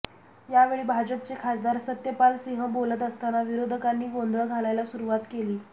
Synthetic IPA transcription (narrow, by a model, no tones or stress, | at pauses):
jaʋeɭiːbʱad͡ʑəp̚t͡sekʰasd̪aɾsət̪jəpalsiɦəbolət̪əst̪anaʋiɾod̪ʱəkanːiːɡond̪ʱɭəɡʱalajlasuɾuʋat̪keliː